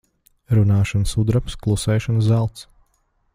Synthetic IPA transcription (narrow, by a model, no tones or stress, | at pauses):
ɾunaːʃansud̪ɾapsklˠusɛːjʃɔnszælˠt̪s